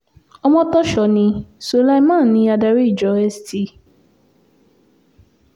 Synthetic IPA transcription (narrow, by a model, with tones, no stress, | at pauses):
ɔ˧mɔ̃˦tɔ˦ʃɔ˧nĩ˧so˨˧la˦mã˦˨nĩ˧˦a˧da˧ɾi˦i˦˨d͡ʒɔ˨˦ɛ˧sti˧˨